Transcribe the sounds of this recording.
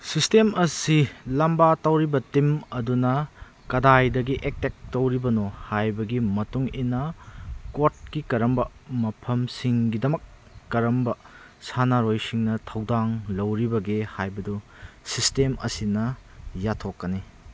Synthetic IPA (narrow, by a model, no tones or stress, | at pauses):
sistemɐsilɐmbatɐwɾibɐtimɐdunɐ | kɐdajdɐɡiʔek̚tek̚tɐwɾibɐnohajbɐɡimɐtuŋinɐkoɾt̚kikɐɾɐmbɐmɐpʰɐmsiŋɡidɐmɐkː | ɐɾɐmbɐ | sanaɾojsiŋnɐtʰɐwdaŋlɐwɾibɐɡehajbɐdusistemɐ̰sinɐjatʰokːɐni